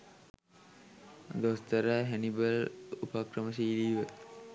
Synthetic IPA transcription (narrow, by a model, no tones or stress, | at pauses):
d̪ost̪ɐɾəɦænibəlupakrəməs̬iːliːʋə